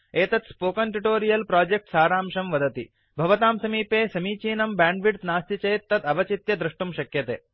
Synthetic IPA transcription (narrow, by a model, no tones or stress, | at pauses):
eːt̪ɐt̪spoːkɐɳʈiʈoːɾijɐlpɾaːd͡ʒek̚ʈsaːɾaːmʃɐmʋɐd̪ɐt̪ḭ | bʱɐʋɐt̪aːmsɐmiːpeːsɐmiːt͡ʃiːnɐmbaːɳɖʋiɖ̪naːst̪it͡ʃɐjt̪ːɐt̪ɐʋɐt͡ʃit̪jɐd̪ɾuʂʈumʃɐkjɐt̪ḛː